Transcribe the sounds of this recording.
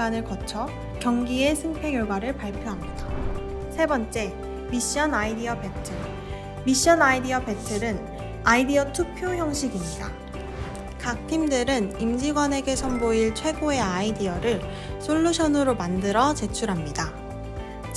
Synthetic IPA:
anɯɭkʌt͡ɕʰʌ | kjʌŋɡie̞sʰɯŋpʰe̞ŋjʌɭɡwaɾɯɭpaɭpʰjoɦamɲid̥a | sʰe̞bʌnt͡ɕ͈e̞ | miɕ͈iʌnaidiʌpe̞tʰɯ | miɕ͈ʌnaidiʌpe̞tʰɯɾɯn | aidiʌtʰupʰjoçjʌŋɕʰiɡimɲida̰ | kak̚tʰimdɯɾɯnimd͡ʑiɡwane̞ɡe̞sʰʌmboiɭt͡ɕʰwe̞ɡoe̞aidiʌɾɯɭ | sʰoɭːuɕʰʌnɯɾomandɯɾʌt͡ɕe̞t͡ɕʰuɾɦamɲida

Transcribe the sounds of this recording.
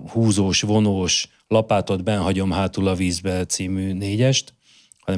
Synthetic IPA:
huːzoːʃvo̞noːʃ | lɒpaːt̪o̞d̪bɛnɦɒɟo̞mɦaːt̪ulɒviːzbɛt̪siːmyːneːɟɛʃt̪ | hɒnɛ

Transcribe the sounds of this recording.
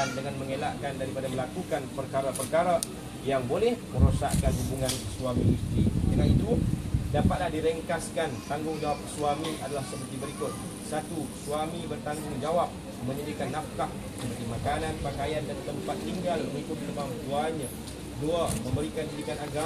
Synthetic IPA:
andəŋanməŋelaʔkandaɾipadaməlakukanpərkaɾapərkaɾa | jaŋbolɛhməɾosa̰ʔkanɦubuŋankəsuaminust̪ɾḭd̪əŋaʔḭt̪udapat̪̚nahdiɾəŋkaskant̪aŋɡʊŋd͡ʒawap̚kə̥suamiʔa̰dalahsəpərt̪ibəɾikʊt̪̚ | sat̪usuamibərt̪aŋɡʊŋd͡ʒawap̚ | məɲədikanːaft̪aʔ̚ | səpərt̪imakananpakajandant̪əmpat̪ːiŋɡalməŋikʊt̪̚nəbampuaɲa | duaməmbəɾikanɲədikanaɡa

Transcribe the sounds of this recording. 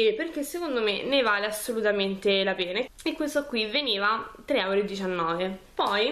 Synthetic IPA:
eperk̟esːekond̪omḛnevaːleasːolut̪ament̪elapɛːnaekːwest̪okwivːeniːvat̪ɾeɛwɾed̪ːit͡ʃanːɔːvepɔj

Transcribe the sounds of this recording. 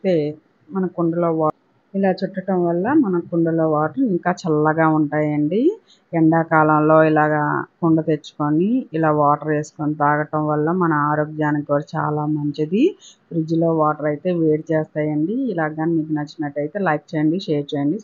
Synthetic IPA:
t̪eː | mɐnɐkuɳɖɐloːaː | ilaːt͡ʃɛʈːɐʈɐmʋɐlːɐmɐnɐkuɳɖɐloːʋaːʈɐɾiŋkaːt͡ʃɐlːɐɡaːuɳʈaːjɐɳɖi | ɛɳɖaːkaːlɐmlo̞ːilaːɡaːkuɳɖɐt̪e̞t͡ʃːu̥koniːlaːʋaːʈɐɾe̞ːsu̥konit̪aːɡɐʈɐmʋɐlːɐmɐnɐaːɾoːɡjaːnikoːɾt͡ʃa̰ːlaːmɐɲt͡ʃid̪ibɾid͡ʒilo̞ːʋaːʈɐɾɐjt̪e̞ːʋeːɾit͡ʃɛːst̪aːjɐɳɖiːlaːɡaːnimiɡ̪inɐt͡ʃːinɐʈːɐjt̪e̞ːlɐjp̚t͡ʃeːjɐɳɖiʃeːɾt͡ʃeːjɐɳɖi

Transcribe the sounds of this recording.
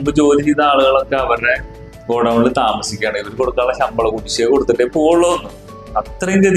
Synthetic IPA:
mbɨt͡ɕo̞ːlit͡ɕit̪ːɐaːɭuɣɐɭo̞kːe̞ɐʋɐre̞ | ko̞ːɽɐːɳilt̪aːmɐsikʲːaːɳiʋɐɾuko̞ɽukːaːɭːɐɕɐmbɐɭɐkuʈːit͡ɕːeko̞ɽut̪ːɐʈːepoːɭːɐðonːu | ɐt̪rɐiŋɡeð

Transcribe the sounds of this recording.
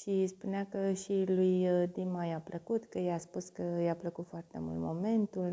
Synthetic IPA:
ʃispuneakəʃilujd̪imajapləkut̪kəjaspuskəjapləkut̪foart̪e̞̰mṵlt̪mo̞̰me̞nt̪ul

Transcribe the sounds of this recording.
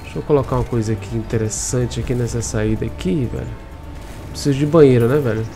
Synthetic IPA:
ʃokolokaũmɐkojzɐakiĩt̪eɾesɐ̃t͡ʃɪakinɛsɐsaid̪ɐakivɛ̰lʊ | pɾesizʊd͡ʒɪbɐ̃j̃eɾʊnɛvɛʎʊ

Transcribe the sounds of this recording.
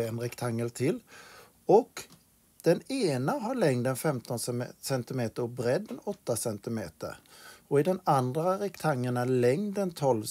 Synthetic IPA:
ɛnɾɛkt̪ʰaŋːəlt̪ʰɪl | ɔk | d̪̥ɛneːnaɦaɭɛŋd̪ɛnfɛmt̪ɔnssɛnt̪ɪmeːt̪əɾɔbɾɛd̪ːɛnɔt̪ːasɛnt̪ɪmḛːt̪ə̰ɾɔɪd̪ɛnand̪ɾaɾɪkt̪ʰaŋːəɳalɛŋnɛnt̪ʰɔlv

